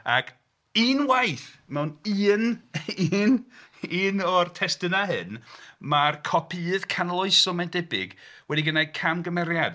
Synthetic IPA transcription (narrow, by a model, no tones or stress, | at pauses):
a̰kʰ | inwajθmɛwniːniniːnɔrtʰɛstɨnaɦɨnmarkʰɔpʰiːðkʰanalˠɔɨsɔmɛndɛbɪ̰ɡ̥wɛdiɡənakʰamɡəmɛɾjad